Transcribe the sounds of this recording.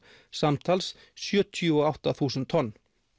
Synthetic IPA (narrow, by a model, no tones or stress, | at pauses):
samt̪ʰals | sjœːt̪ʰjɔawht̪aθuːsʏnt̪ʰːɔnː